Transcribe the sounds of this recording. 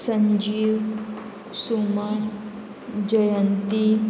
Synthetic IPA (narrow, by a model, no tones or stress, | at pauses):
sɐɲd͡ʒiːʋ | suma | d͡ʒəjənt̪i